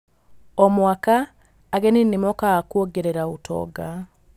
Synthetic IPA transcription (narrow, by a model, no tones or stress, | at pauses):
ɔmwakaː | ɣeninimɔkakwoɡeɾeɾautʰɔ̰ɡa